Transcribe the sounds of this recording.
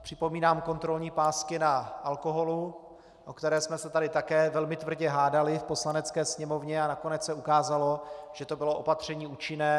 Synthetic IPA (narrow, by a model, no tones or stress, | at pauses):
pr̝̥ɪpo̞miːnaːmko̞nt̪ɾo̞lɲiːpaːskɪnaʔalko̞ɦo̞lu | ʔokt̪ɛɾɛːsmɛsɛt̪adɪt̪akɛːvɛlmɪt̪vr̩ɟɛɦaːdalɪfpo̞slanɛt͡skɛːsɲɛmo̞vɲɛanako̞nɛt͡ssɛukaːzalo̞ʒ̥ɛt̪o̞bɪlo̞ʔo̞pat̪r̝̥ɛɲiːuːt͡ʃɪnɛː